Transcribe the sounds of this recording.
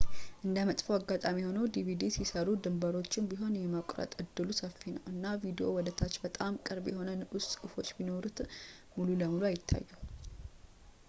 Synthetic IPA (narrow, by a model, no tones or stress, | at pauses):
ʔɨnd̪əmət̪ʼfəwaɡːat̪ʼamiho̞nəwd̪ivid̪isisəɾud̪ɨmbəɾo̞t͡ʃːɪnbiɦo̞njɛməkʷʼɾə̰t̪ʼɨd̪ːɨlusəfːinəwɨnːavid̪iʔo̞wɔd̪ət̪ʰat͡ʃːbət̪ʼamkʼɨɾbjɛho̞nənʔʊssʼkʼfo̞t͡ʃːbino̞ɾut̪ | mululəmuluajɪt̪ʰːa̰jːu